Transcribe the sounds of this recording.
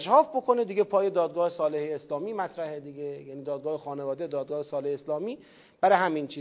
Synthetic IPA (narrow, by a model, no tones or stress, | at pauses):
ʃhɒːfbokʰo̞ned̪iːɡepʰɒːjed̪ɒːd̪̚ɡɒːhesɒːleheːslɒːmiːmæt̪ʰɾæhed̪iɟejæniːd̪ɒːd̪̚ɡɒːhexɒːnevɒːd̪ed̪ɒːd̪̚ɡɒːhesɒːleheeslɒːmiː | b̥æɾeɦæmint͡ʃʰiː